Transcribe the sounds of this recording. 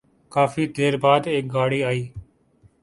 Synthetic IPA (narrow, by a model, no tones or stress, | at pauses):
kaːfiːd̪ʱeːɾbaːd̪eːk̚ɡaːɽiːaːiː